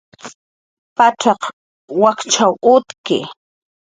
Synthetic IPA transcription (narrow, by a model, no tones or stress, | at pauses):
paʈ͡ʂɑq | wakt͡ʃawʊt̪kɪ̰